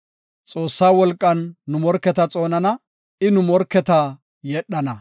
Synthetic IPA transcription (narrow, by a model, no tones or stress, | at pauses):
t͡sʼo̞ːsːaːwɔlkʼːɐnːʊmɔɾkːɛt̪ɐt͡sʼo̞ːnɐnɐ | ɪnʊmɔɾkːɛt̪ɐ | jɛɗːɐnɐ